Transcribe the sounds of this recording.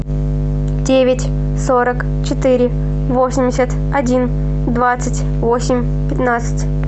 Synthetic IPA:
dʲevʲɪtʲ | soɾək | t͡ɕɪt̪ɨɾʲɪ | vosʲɪmʲdʲɪsʲət̪ | ɐdʲin | d̪vat̪sɨtʲ | vosʲɪmʲ | pʲɪt̪nat̪sɨ̥tʲ

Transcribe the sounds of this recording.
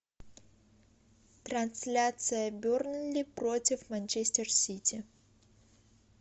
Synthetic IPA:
t̪ɾɐnsʲlʲat̪sɨjəbʲornʊlʲɪpɾotʲɪfmanʲt͡ʃesʲtʲɪrsʲitʲʰɪ

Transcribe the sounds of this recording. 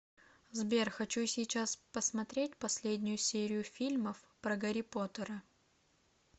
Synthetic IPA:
zbʲerxɐt͡ɕusʲɪjt͡ɕaspəsmɐt̪ɾʲet̚ʲpɐsʲlʲedʲnʲʊjʊsʲeɾʲɪjʊfʲilʲməf | pɾəɡɐɾʲɪpot̪əɾə

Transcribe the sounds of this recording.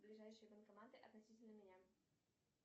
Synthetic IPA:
blʲiʐɛjʂəjbɛnkamat̪ɨʔɐt̪nɔɕʲit͡ɕʲɛd̪ɐmʲenʲa

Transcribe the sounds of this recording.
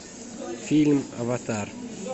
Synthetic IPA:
filma̰vat̪ʰaɾ

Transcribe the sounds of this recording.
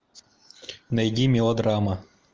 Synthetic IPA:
nɐjdʲimʲiɔd̪ɾamɐ

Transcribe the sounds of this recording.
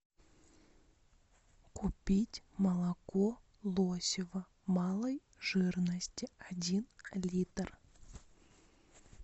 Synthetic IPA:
kʊpʲitʲməlˠɐko | lˠosʲɪvə | mɑlˠəj | ʐ̥ɨrnəsʲtʲɪadʲinlʲit̪r

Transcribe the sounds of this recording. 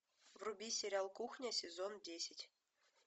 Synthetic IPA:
vrubʲisʲeɾʲɑlˠkuxnʲesʲezondʲesʲɘtʲ

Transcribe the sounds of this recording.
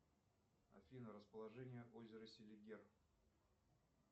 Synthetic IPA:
ɐ̰fʲinəɾəspəlˠɐʐɛnʲɪjəʔozʲɪɾəsʲɪlʲɪɡʲer

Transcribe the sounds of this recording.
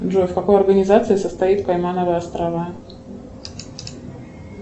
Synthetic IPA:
ʐofkɐko̞jɐrɡənʲɪzat̪sɨɪsəst̪ɐit̪pajmanəvəjəɐst̪ɾɐva

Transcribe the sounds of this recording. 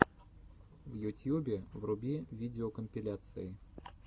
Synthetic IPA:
vjut̪ʲjubʲɛvrubʲivʲid͡zʲɛɔkəmʲpʲilʲat̪sɨji

